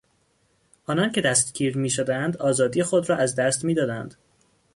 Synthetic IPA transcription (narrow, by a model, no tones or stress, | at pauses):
ʔɒːnɒncʰe̞d̪æst̪ɡiːɾmiːʃod̪eænd̪ɒːzɒːd̪ije̞xod̪ɾɒːʔæzd̪æst̪miːd̪ɒːd̪ænd̪̥